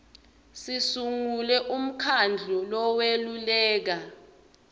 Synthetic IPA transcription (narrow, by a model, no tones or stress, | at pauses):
sisuŋulɛʔum̩kʰand͡ɮʱɔlɔwelulɛːk̬a